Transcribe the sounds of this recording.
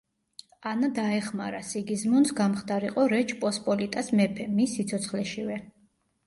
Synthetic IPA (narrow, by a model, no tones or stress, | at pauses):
anad̪aɛχma̰ɾasiɡizmɔnsɡamχd̪aɾiqʼɔɾɛt͡ʃʰpʼɔspʼɔlit̪ʼasmɛpʰɛmisːit̪sʰɔt̪sʰχlɛʃivɛ